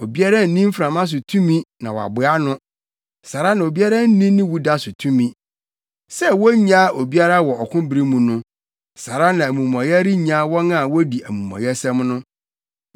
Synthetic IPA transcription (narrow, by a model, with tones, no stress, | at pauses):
o˨bi˦a˦ɾa˦n̩˨nĩ˦m̩˦fɾã˨mã˦s̬ʊ˨tʰũ˦mĩ˦nã˨wɔ˨a̰˨bʊ˨a˦nʊ̃˦ | sa˨ɾa˦nã˨o˨bi˦a˦ɾa˦n̩˦nĩ˦nĩ˦wu˦da˦sʊ˨tʰũ˦mĩ˦ | sɛ˦wɔ˦ɲã˦ʔo˨bi˦a˦ɾa˦wɔ˨ɔ˨kʰʊ̃˦bɾi˦mũ˨nʊ̃˦ | sa˨ɾa˦nã˨æ˨mũ˨m˨ɔ̃˨jɛ˦ɾi˦ɲã˦wɔ̃˦nã˦˨wɔ˦di˨æ˨mũ˨mɔ̰̃˨jɛ˦sɛ̃˦mnʊ̃˦